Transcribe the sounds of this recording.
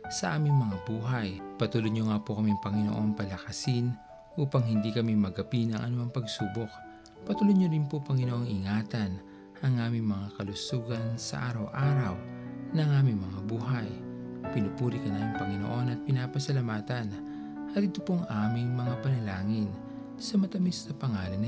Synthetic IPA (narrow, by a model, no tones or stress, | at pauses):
sɐʔaːmɪŋmɐŋabuːɦɐjpɐt̪uːlod̪ɲoŋapokɐmiŋpɐŋɪno̰ʔo̞npɐlɐkɐsɪn | ʔuːpɐŋhɪnd̪ikɐmimɐɡɐpinɐ̰ŋʔɐ̰nuɐŋpɐɡsuːbok̚ | pɐt̪uːlod̪̚ɲoɾɪnpopɐŋɪnoʔoŋɪŋaːt̪ɐn | ʔɐŋʔaːmɪŋmɐŋakɐlʊsuːɡɐnsɐ̰ʔaːɾɐwʔaːɾɐwnɐŋʔaːmiŋmɐŋabuːɦɐjpɪnupuːɾikɐnaːmiŋpɐŋɪnoʔo̞nɐt̪̚pɪnaːpɐsɐlamaːt̪ɐn | ɐt̪ɪt̪opoʔɐŋʔaːmɪŋmɐŋapɐnɐlaːŋɪn | sɐmɐt̪ɐmist̪ɐpɐŋaːlɐn